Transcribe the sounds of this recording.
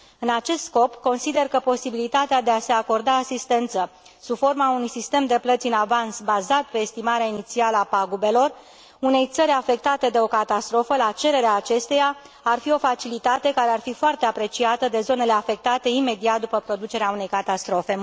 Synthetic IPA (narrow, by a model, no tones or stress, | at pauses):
ɨnat͡ʃe̞st̪sko̞pko̞nsid̪e̞rkəpo̞sibilit̪at̪ead̪e̞ase̞ako̞rd̪aːsist̪e̞nt̪sə | subfo̞rmaunujsist̪e̞md̪e̞plət̪siɨnavansbazat̪̚pe̞ːst̪imaɾeainit̪sialəapaɡube̞lo̞r | une̞jt̪səɾʲafe̞k̚t̪at̪e̞d̪e̞o̞kat̪ast̪ɾo̞fəlat͡ʃe̞ɾe̞ɾeaːt͡ʃe̞st̪ejaː | rfio̞fat͡ʃilit̪at̪e̞kaɾe̞arfifoart̪e̞apɾe̞t͡ʃiat̪əd̪e̞zo̞ne̞le̞afe̞k̚t̪at̪e̞ime̞d̪iat̪̚d̪upəpɾo̞d̪ut͡ʃe̞ɾeaune̞jkat̪ast̪ɾo̞fe̞